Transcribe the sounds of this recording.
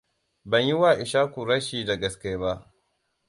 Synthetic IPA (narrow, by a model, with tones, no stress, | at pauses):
bɐ˨ɲji˦waː˦˨ʔɪ˨ʃaː˦kʷu˨ɾɐ˦ʃiː˨da˨ɡɐ˨skʲeː˦ba˦ʔ